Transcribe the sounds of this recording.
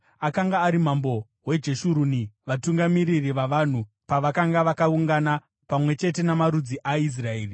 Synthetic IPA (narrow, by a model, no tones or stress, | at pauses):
akaŋɡaːɾim̤ambo̞ | we̞d͡ʒe̞ʃuɾuniʋatuŋɡamiɾiriʋaʋan̤u | paʋakaŋɡaʋakauŋɡana | pamwe̞t͡ʃe̞te̞namaɾud͡ziʔais̬rae̞ːri